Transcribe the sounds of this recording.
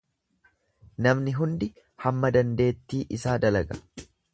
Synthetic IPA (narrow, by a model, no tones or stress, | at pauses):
nɐmnɪɦʊnd̪ɪ | hɐmːɐd̪ɐnd̪e̞ːt̪ːiːʔɪsaːd̪ɐlɐɡɐ̥